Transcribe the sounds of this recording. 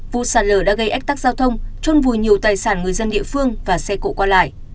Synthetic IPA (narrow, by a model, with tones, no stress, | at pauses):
vṵ˧˨saː˧˩nləː˧˩ɗa̰ː˧˥ɣə˧jʔa˦˥k̚t̪a˦˥k̚zaː˧wt̪ʰə˧wŋ͡mt͡ɕɔ˧nvu˨˩jɲi˨˩əwt̪aː˨˩jsaː˧˩nŋɨ˨˩əjzə˧nɗḭ˧˨əfɨ˧əŋvaː˨˩sɛ˧ko̰˧˨kwaː˧la̰ː˧˨jʔ